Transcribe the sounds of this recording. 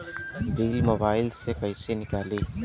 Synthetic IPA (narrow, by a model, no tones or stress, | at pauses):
biːlmoːbaːɪlsekɐɪsenɪkaːliː